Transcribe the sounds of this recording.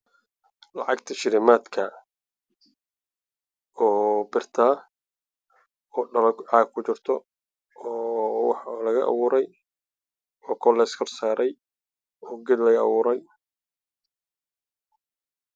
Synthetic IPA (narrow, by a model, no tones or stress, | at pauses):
lɑ̰ʕɑɡt̪ʰɐʃɪɾɪmaːd̪kʰɐ | ɔːbɪrt̪ʰaː | ɔːɖɐlɐɡʕɑːɡ̚kʰʊt͡ʃɪrt̪ʰɔ | ɔːwɑħlɐɣɐʔɑ̰wʊːɾɛj | ɔːkʰɔlɛskʰɔrsaːɾʔɛj | ɔːɡɛd̪lɐɣɐɐ̰wʊːɾɛj